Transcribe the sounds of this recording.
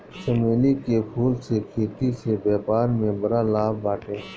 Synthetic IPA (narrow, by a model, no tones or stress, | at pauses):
ʃəmeːlikepʰuːlsekʰeːt̪isebɛːbaːnmẽbɐɾaːlaːbbaːʈeː